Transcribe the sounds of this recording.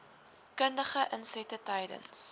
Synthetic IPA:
kəndəχəʔənsɛtətəjdə̰ns

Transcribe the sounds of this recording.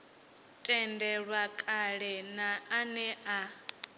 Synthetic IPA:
tʼɛndɛɺwakʼaɺɛnaanɛʔa

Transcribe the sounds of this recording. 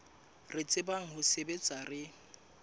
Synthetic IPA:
rɪt͡sʼɪbaŋ̩hʊsebet͡sʼarɪ

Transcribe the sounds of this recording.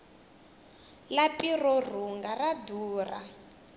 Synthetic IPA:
lapirɔr̤uŋɡaraduːra

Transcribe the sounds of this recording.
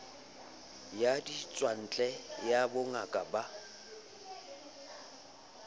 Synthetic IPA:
jadit͡sʼwan̩t͡ɬʼɛjabʊŋakʼaba

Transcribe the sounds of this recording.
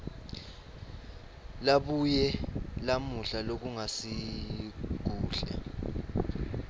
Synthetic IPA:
laɓujɛlamuɬalok̬uŋasi | k̬uːɬa̰

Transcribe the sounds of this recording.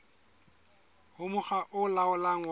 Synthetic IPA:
hʊmʊχaʔʊlaʊlaŋ̩

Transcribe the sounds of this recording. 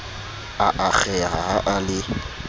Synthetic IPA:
aʔak͡xʰɛɦa̰haʔalɪ

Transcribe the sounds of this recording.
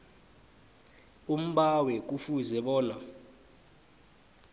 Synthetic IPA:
um̩ɓawɛk̬ufuzɛɓɔːna

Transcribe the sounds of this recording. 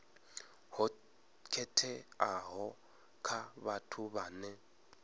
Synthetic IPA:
hʊ | kʰɛtʰɛaɦɔ | kʰabatʰʊbaːnɛ

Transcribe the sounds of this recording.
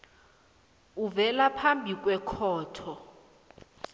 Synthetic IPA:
uvɛlapʰambʱik̬ʼwɛkʰɔːtʰɔ

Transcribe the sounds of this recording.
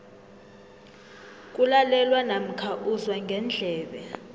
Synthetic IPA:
k̬ʼulalɛlwanam̩kʰaʔuzwaŋɡʱɛnd͡ɮʱɛːɓɛ

